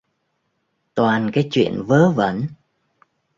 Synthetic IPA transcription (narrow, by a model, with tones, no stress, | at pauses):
t̪waː˨˩nkaː˨˦jt͡ɕwḭ˧˨ənvəː˨˦və̰˧˥n